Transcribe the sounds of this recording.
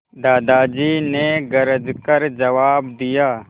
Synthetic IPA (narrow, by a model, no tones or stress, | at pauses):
d̪aːd̪aːd͡ʒiːneːɡɐɾəd͡ʒkɐɾd͡ʒɐʋaːb̚d̪ijaː